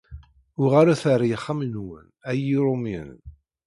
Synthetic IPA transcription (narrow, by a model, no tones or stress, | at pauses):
ʊʁaɾaθaɾijəχːamnwə̰næjiɾˤomjə̰n